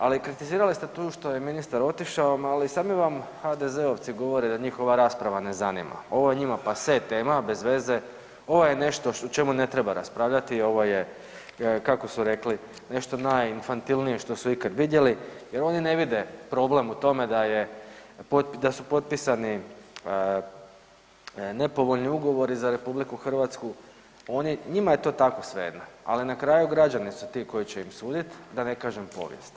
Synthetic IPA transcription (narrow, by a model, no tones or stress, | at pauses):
alikɾit̪iziːɾalist̪e̞t̪uːʃt̪o̞je̞minist̪aɾo̞t̪iʃaomalisaːd̪miʋamxad̪e̞ze̞oʋt̪siɡo̞ʋo̞ɾed̪aɲixo̞ʋaɾaːspɾaʋane̞zanḭma̰o̞ʋo̞jeɲimapaset̪e̞ːmabe̞zʋe̞ze̞ | o̞ʋoje̞ne̞ʃt̪o̞ut͡ʃe̞mune̞t̪ɾebaɾa̰spɾaːʋʎat̪io̞ʋo̞je̞ | kako̞suɾe̞kli | ne̞ʃt̪o̞naːjinfant̪ilˠnije̞ʃt̪o̞suikad̪ʋid̪je̞lije̞ɾo̞nine̞ʋid̪e̞pɾo̞ble̞mut̪o̞me̞d̪aje̞pot̪pd̪asupo̞t̪̚pisaniə | ne̞po̞ʋo̞ʎniuɡo̞ʋo̞ɾizaɾe̞publikuxr̩ʋat̪sku | o̞niɲimaje̞t̪o̞ːt̪ako̞sʋe̞̰d̪naa̰linakɾaːjuɡɾad͡ʒanisut̪iko̞jit͡ɕeimsuːd̪it̪d̪ane̞kaːʒempo̞̰ʋjḛst̪